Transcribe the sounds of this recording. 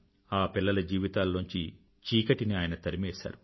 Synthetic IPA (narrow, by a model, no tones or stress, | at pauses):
aːpilːɐlɐd͡ʒiːʋit̪aːlːoɲt͡ʃi | t͡ʃiːkɐʈiniaːjɐnɐt̪ɐɾimɛːsa̰ːɾu